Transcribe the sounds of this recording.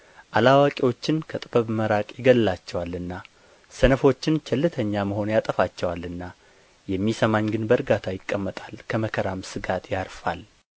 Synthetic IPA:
ʔalawakʼiwo̞t͡ʃːɪnkʰət̪ʼɨbəβməɾakʼjɪɡəlːat͡ʃːɛwalɨnːa | sənəfo̞t͡ʃːɪnt͡ʃʰɛlːɨt̪ʰəɲːaməho̞njat̪ʼəfat͡ʃːɛwalɨnːa | jɛmːisəmaɲɡɨnbəɾɡat̪ʰajɪkʼːəmːət̪ʼalkʰəməkʰəɾamsɨɡat̪ʰjaɾfa̰l

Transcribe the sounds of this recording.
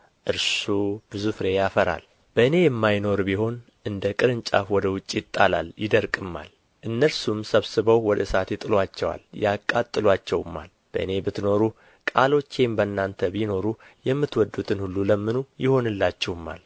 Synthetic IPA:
ʔɨɾsub̥ɨzufɾe̞jafəɾa̰l | b̥əɨne̞jɛmːajno̞ɾbiho̞n | ʔɨnd̪əkʼɨɾɨnt͡ʃʼa̰fwɔd̪əwʊt͡ʃʼːjɪt̪ʼːala̰ljɪd̪əɾkʼɨmːa̰l | ʔɨnːəɾsumsəβsɨβəwwɔd̪əsat̪jɛt̪ʼɨlwat͡ʃːɛwa̰ljakʼːat̪ʼːɨlwat͡ʃːɛwɨmːa̰l | b̥ə̰ʔɨne̞bɨt̪no̞ɾu | kʼalo̞t͡ʃːembənːant̪ʰəbino̞ɾujɛmːɨt̪wɔd̪ːut̪ʰɨnhulːuləmːɨnujɪho̞nɨlːat͡ʃːɛwɨmːa̰l

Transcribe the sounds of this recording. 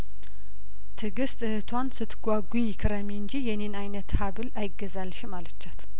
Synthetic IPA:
t̪ʰɨɡɨst̪ʼɨhɨt̪ʰwansɨt̪ʰːɡʷaɡʷujɪkʰɨɾəmiɨnd͡ʒijɛnenajnət̪haβɨlajɪɡəzalʃɪmalət͡ʃːat̪

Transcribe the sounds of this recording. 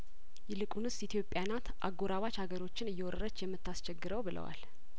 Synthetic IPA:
jɛlɨkʼunɨsit̪ʰjo̞pʼːjanat̪ʔa̰ɡoɾaβat͡ʃhaɡəɾo̞t͡ʃːɪnɨjːɛwɔɾəɾət͡ʃːjɛmːɨt̪ːast͡ʃɛɡːɨɾəwbɨlə̰wa̰l

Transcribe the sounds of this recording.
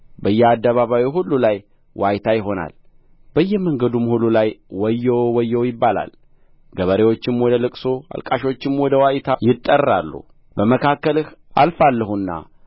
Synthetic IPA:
bəjːɛad̪ːəβaβawiɦulːulaj | wʔajt̪ʰajɪɦo̞na̰l | b̥əjːɛməŋɡəd̪umhulːulajwɔjːɛwwɔjːɛwjɪbːala̰l | ɡəβəɾewo̞t͡ʃːɪmwɔd̪əlɨkʼsoa̰lkʼaʃo̞t͡ʃːɪmwɔd̪əwajt̪ʰajɪt̪ʼːərːalːṵ | bəməkʰakːəlɨhalfalːəhunːa̰

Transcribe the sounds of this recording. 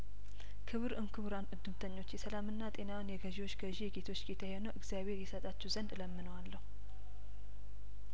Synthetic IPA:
kʰɨβɨɾʔɨmkʰɨβɾanʔɨd̪ːɨmt̪ʰəɲːo̞t͡ʃːjɛsəlamɨnːat̪ʼe̞nawnjɛɡəʒiwo̞t͡ʃːɡəʒijɛɡe̞t̪ʰo̞t͡ʃːɡet̪ʰajeonəwʔɨɡzijaβhe̞ɾjɛsət̪ʼat͡ʃːɛwzənd̪ləmːɨnəwalːəhu

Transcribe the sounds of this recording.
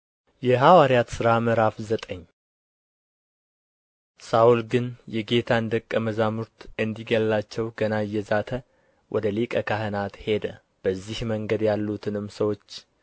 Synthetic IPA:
jɛɦawaɾijat̪sɨɾaməɾafzət̪ʼəɲː | saʔulɡɨnjɛɡe̞t̪ʰaɨnd̪əkʼːəməzamuɾt̪ɨnd̪iɡəlːat͡ʃːɛwɡənajːɛzat̪ʰə | wʔɔd̪əlikʼəkʰaɦɨnat̪he̞d̪ə | b̥əzːihməŋɡəd̪jalːut̪ʰɨnɨmsəwo̞t͡ʃː

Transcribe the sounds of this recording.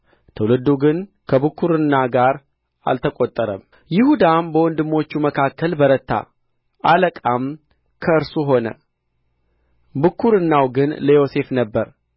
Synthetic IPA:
t̪ʰəwlɨd̪ːuɡɨn | kʰəβɨkːuɾɨnːaɡaɾ | a̰lt̪ʰəkʼot̪ʼːəɾə̰m | jɪhud̪anbəwɔnd̪ɨmːo̞t͡ʃːuməkʰakːəlbəɾət̪ːa̰ | ʔaləkʼam | kʰəɨɾsuɦo̞nə̰ | bɨkːuɾɨnːawɡɨnləjo̞se̞fnəbːəɾ

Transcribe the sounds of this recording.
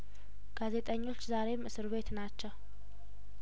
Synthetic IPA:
ɡ̥aze̞t̪ʼəɲːo̞t͡ʃːzaɾe̞mʔɨsɨɾβe̞t̪nat͡ʃːɛw

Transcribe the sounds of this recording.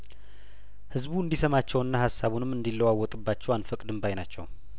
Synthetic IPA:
hɨzβuɨnd̪isəmat͡ʃːɛwɨnːahasːaβunɨmːɨnd̪ilːəwawːɔt̪ʼɨbːat͡ʃːɛwanfəkʼd̪ɨmbajnat͡ʃːɛ̰w

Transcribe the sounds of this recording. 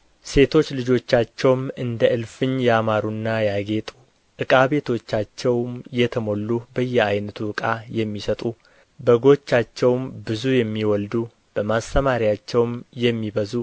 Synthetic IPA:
se̞t̪ʰo̞t͡ʃːlɨd͡ʒo̞t͡ʃːat͡ʃːɛwmɨnd̪əʔɨlfɨɲjamaɾunːajaɡe̞t̪ʼu | ʔɨkʼaβe̞t̪ʰo̞t͡ʃːat͡ʃːɛwmjɛt̪ʰəmo̞lːubəjːɛajnət̪ʰuɨkʼajɛmːisət̪ʼu | bəɡo̞t͡ʃːat͡ʃːɛwmbɨzujɛmːiwɔld̪u | b̥əmast̪ʰəmaɾijat͡ʃːɛwmjɛmːibəzu

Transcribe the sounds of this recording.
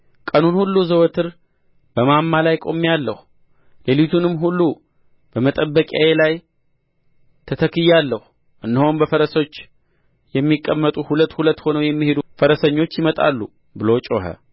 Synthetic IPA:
kʼənunhulːuzəwət̪ʰɨɾ | bəmamːalajkʼo̞̰mːijalːəhu | lelit̪ʰunɨmɦulːu | b̥əmət̪ʼəbːəkʼja̰jelaj | t̪ʰət̪ʰəkɨjːalːəhu | ʔɨnːɨho̞nbəfəɾəso̞t͡ʃː | jɛmːikʼːəmːət̪ʼuhulət̪ːhulət̪ːho̞nəwjɛmːihe̞d̪ufəɾəsəɲːo̞t͡ʃːjɪmət̪ʼa̰lːu | bɨlo̞t͡ʃʼo̰ɦə̰

